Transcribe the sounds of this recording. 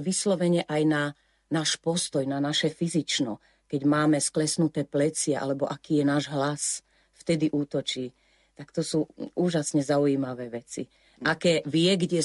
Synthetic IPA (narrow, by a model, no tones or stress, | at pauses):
ʋislɔʋɛɲɛʔajna | naːʃpɔst̪ɔjnanaʃɛfizit͡ʃnɔ | kɛɟmaːmɛsklɛsnut̪ɛːplɛt͡sɪɛʔa̰lɛbɔʔakiːjɛnaːʒɦlas | ft̪ɛd̪iʔuːt̪ɔt͡ʃiː | t̪akt̪ɔsuːuːʒasɲɛzaujiːmaʋɛːʋɛt͡sḭ | ʔakɛːʋɪɛɡɟɛ